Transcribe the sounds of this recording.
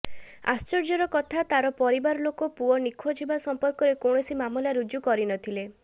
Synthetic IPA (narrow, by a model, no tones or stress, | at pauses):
a̰st͡ʃɔɾd͡ʒɔɾɔkɔt̪ʰat̪aɾɔpɔɾibaɾɔlokɔpuɔnikʰɔd͡ʒʰibasɔmpɔɾkɔɾekoɳɔsimamulaɾud͡ʒukɔɾinɔt̪ʰile